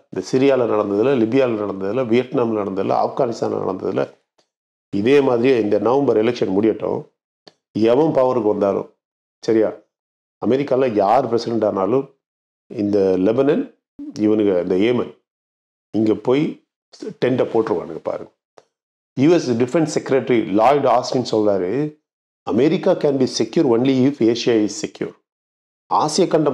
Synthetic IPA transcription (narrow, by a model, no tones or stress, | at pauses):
ɪnd̪ɐsɪɾɪjaːlɐnɐɽɐnd̪ɐðɪlɐlɪbɪjaːlɐnɐɽɐnd̪ɐðɪlɐʋɪjɐʈnaːmlnɐɽɐnd̪ɐðɪ̰lɐ̰ɐ̰fɡaːnɪst̪aːnlɐ̰nɐ̰ɽɐ̰nd̪ɐ̰ðɪlɐ̰ | ɪðeːmaːðɪɾɪjɐ̃ɪnd̪ɐnɐʋɐmbɐɾɛlɛkʂɐnmʊɽɪjɐʈːõ̰ː | ɛʋɐ̃mpɐʋɐɾɯkːɯʋɐnd̪aːlʊ̰̃ | sɐɾɪjaː | ɐmɛɾɪkːaːlãːjaːɾɯpɾɛsɪɽɛɳʈaːnaːlʊ̃m | ɪnd̪ɐlɛbɐnɐn | iʋɐnkɐɐnd̪ɐeːmɐn | iŋɡeːpoːji | ʈeɳʈɐpoːʈɐɾʋɐ̰ːnɐkɐpa̰ːɾɯŋɡɐ | juːesɖɪfɾẽɳʈsɛkɾeʈɾilaːjɖaːsmĩnsɔld̪aːɾe | ɐmeɾikakɛːnbiːsekjuɾõnliːfeːʃijaːizsekjṵːɾ | aːsijɐkɐɳʈɐ